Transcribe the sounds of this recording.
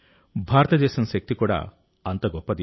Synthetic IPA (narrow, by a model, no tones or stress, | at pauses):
bʱaɾɔt̪ɐd̪esɔnsek̚t̪ikɔɽa̰ | ant̪ɔɡɔpad̪i